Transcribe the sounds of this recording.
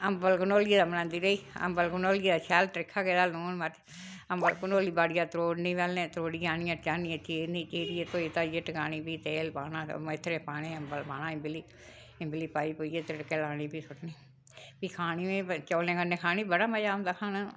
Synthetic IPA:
əmbəlkʊnoːlieːd̪aːmənãːnd̪iːɾəiːə̰mbəlɡənoːlieːd̪aːt͡ʃʰɛːlʈɾɪkʰːaːɡeːd̪aːloːnməɾ | əmbəlkʊnoːliːbaːɽɪjaːt̪ɾoːɖnĩːʋɛːlnẽːt̪ɾoːɽijãːnijãːt͡ʃaːniãːt͡ʃeːnĩːt͡ʃeːɾijet̪oːit̪aːijeʈəkaːñiːbiːt̪eːlpaːnãːmɪt̪ʰːɾeːpaːnẽːəmbəlpaːñãːɪmbɪliː | ɪmbɪliːpaːiːpoːijeːt̪ɾɪɽkeːlaːniːbiːsʊʈniː | piːkʰaːñiːʋẽt͡ʃoːlẽːkənːẽːkʰaːniːbəɽaːməd͡ʒaːmd̪aːkʰaːnaː

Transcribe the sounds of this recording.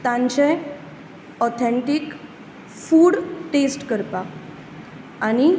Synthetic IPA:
t̪ãɲt͡ɕẽ | ɔt̪ʰəɳʈik | fuːɽʈesʈkəɾpa | aɽ̃i

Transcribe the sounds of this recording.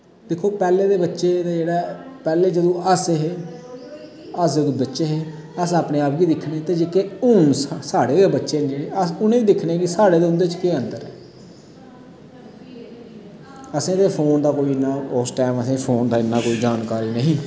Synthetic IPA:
d̪ekʰːoːpɛːleːd̪eːbətːʃeːt̪eːd͡ʒeːɽaːpɛːleːd͡ʒəd̪õːəseɦeː | əsd͡ʒəd̪õːbətːʃeːɦeː | əsaːpneːaːpʋiːd̪ɪkʰneːt̪eːd͡ʒeːkeːʊnssaːɽeːebətːʃeːnd͡ʒeːɽeːəsʊnẽːʋiːd̪ɪkʰneːɡiːsaːɽeːd̪eːʊ̃nd̪eːt͡ʃkeːənd̪əɾɛː | əsẽːt̪eːpʰoːnd̪aːkoːiːɪnːaːɔːsʈɛːməsẽːpʰoːnd̪aːɪnːaːkoːiːd͡ʒaːnkaːɾiːnəɦĩː

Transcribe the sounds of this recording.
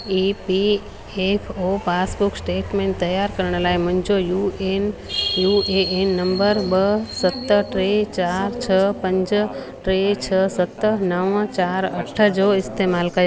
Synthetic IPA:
ipi | epʰopaːsbʊksʈeːʈmẽːɳʈt̪ɐjaːɾkɐɾɽ̃ə̆laːemʊ̃nd͡ʑojuenjueenːəmbəɾbəsət̪ːəʈɾet͡ɕaːɾt͡ʃʰəpɐ̃ɲd͡ʒ | ʈɾet͡ʃʰəsət̪ənəʋə̃t͡ɕaːɾɐʈʰəd͡ʒoɪst̪emaːlkɐjo

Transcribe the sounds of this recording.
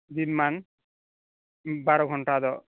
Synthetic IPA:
d̪inman | baɾɔɡʱɔɳʈad̪ɔ

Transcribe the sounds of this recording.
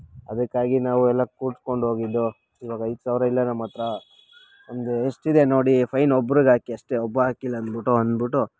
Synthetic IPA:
ɐd̪ɐkːaːɡinaːʋuɛlːɐkuːʈ̪ko̞ɳɖɦo̞ːɡid̪ːu | iʋaːɡɐɐjd̪saːʋɾɐilːɐnɐmːɐt̪ɾɐ | ond̪eeʂʈid̪eno̞ːɽipʰɐjnɔbːɾuɡaːkiɐʂʈeɔbːɐaːkilːɐːnd̪biʈuɐnd̪biʈːu

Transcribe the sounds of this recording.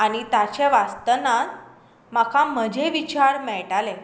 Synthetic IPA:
aɽ̃it̪at͡ɕeʋast̪ənat̪ | makʰam̤əd͡ʑʱeʋit͡ɕaɾmɛɭʈalẽ

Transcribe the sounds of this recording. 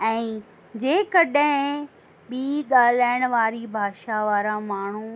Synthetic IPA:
ɛ̃ː | d͡ʑeːkɐɗɦɪ̃ | ɓiːɡaːl̤aːɪɽ̃ʊʋaːɾibʱaːʃaʋaːɾamaːɳ̤u

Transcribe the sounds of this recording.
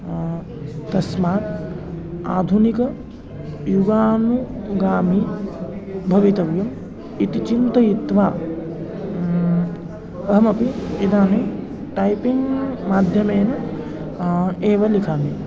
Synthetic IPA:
t̪ɐsmaːt̪ | aːd̪ʱunikɐ | juɡaːnuɡaːmi | bʱɐʋit̪ɐʋjɐm | it̪it͡ʃint̪ɐjit̪ʋaː | ɐɦɐmɐpiid̪aːne | ʈɐjpiŋɡmaːd̪ʱjɐmeːnɐ | eːʋɐlikaːmi

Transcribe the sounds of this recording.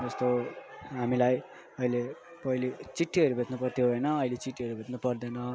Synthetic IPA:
d͡zʌst̪oɦamilaj | ʌile | pʌilit͡siʈːiʌɾubʱet̪nupʌrt̪ʰjoɦojnʌːjlet͡siʈːiɦʌɾubʱet̪nupʌrd̪enʌ

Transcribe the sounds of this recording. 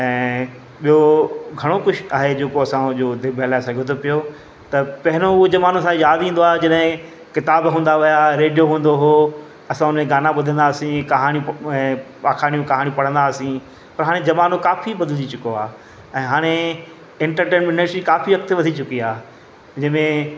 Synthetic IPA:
ɛ̃ː | ɓiɦoɡʱɐɽ̃okʊʃʰaːɦed͡ʑeːkoɐsãʄoːd̪ɪbʱəlaːesɐɡʱjot̪ʰopijo | t̪ɐpɐɦɪñoʊod͡ʑɐʋaːnosãjaːd̪ĩːnd̪oaːɦed͡ʑɐɗɦɪ̃ | kɪt̪aːbɦũːnd̪aʋɪjaɾeːɖijoɦũːnd̪oɦoː | ɐsãʊnmẽɡaːnaɓʊd̪ʱə̃nd̪aːsĩkɐɦaːnijũɛ̃ːaːkʰaːɽ̃ijũkɐɦaːɽijũpɐɽ̤ə̃nd̪aːsĩ | pɐɾɦaːɽ̃ẽd͡ʑɐʋaːnokaːfibɐd̪ʱəld͡ʑit͡ɕʊkoaː | ɛ̃ːɦaːɽ̃e | ɪ̃ɳʈəɾʈeːnmɪneʈɾikaːfiʋɐk̚t̪ʋɐd̪ʱit͡ɕʊkiaː | d͡ʑɐ̃ɦmẽ

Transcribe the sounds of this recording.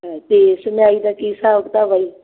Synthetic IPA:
ɛt̪eːsənjaːiːd̪aːkisaːʊkt̪aːʋaiː

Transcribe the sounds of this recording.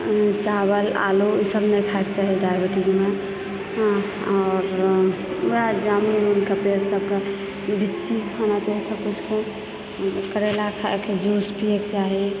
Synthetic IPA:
t͡ʃabəla̰luisəbnəkʰaekt͡ʃaɦidajbiʈid͡ʒime | ɔːɾ | ad͡ʒamɾimunkapeɾsəb̚ka | bitːt͡ʃikʰanat͡ʃaɦit̪ʰɔkut͡ʃʰkõ | kəɾelakʰaked͡ʒuspiekt͡ʃaɦi

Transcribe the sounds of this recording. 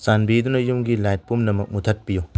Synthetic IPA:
sanbid̪unɐjumɡilajt̚pumnɐmɐk̚mutʰɐt̚piju

